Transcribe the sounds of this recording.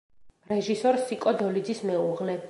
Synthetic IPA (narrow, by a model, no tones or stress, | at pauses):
ɾɛʒisɔɾsikʼɔd̪ɔlid̪zismɛuʁlɛ